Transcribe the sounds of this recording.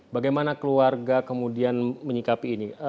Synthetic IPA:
baɡajmanakəluarɡakəmudianməɲikapiːni

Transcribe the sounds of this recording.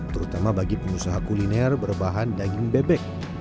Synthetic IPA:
t̪əɾut̪amabaɡipəŋusaɦakulinɛrbərbaɦandaɡiŋbɛbɛk̚

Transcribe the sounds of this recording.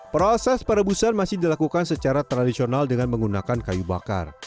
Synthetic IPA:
pɾɔsɛspəɾəbusanmasɪhdilakukansət͡ʃaɾat̪ɾadisionaldəŋanməŋɡunakankajuba̰ka̰r

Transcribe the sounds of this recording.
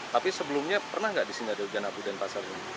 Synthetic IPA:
t̪apisəbəlʊmɲapərnahŋɡaʔdisiniadaud͡ʒanapudanpasarɲa

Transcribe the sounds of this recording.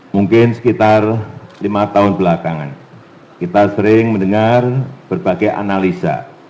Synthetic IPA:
muŋkɪnsə̥kit̪arlimat̪aʊnbəlakaŋa̰n | kit̪asəɾɪŋməndəŋarb̥ərbaɡajʔa̰nalisa̰

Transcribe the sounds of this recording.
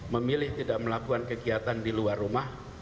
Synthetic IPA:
məmilɪht̪idaʔməlapuankəɡiat̪andiluarumah

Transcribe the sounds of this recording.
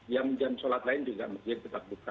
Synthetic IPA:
jamd͡ʒamsolat̪laɪnd͡ʒuɡa̰ʔməd͡ʒat̪ət̪ak̚duka

